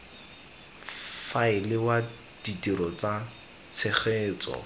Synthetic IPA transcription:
faɪlɪwa | d̥itiɾɔt͡sa | t͡sʰeχeːt͡sɔ̰

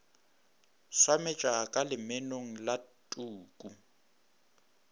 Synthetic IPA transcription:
swamɛt͡ʃʼakʼalɪmenoŋ̩latʼuːkʼu

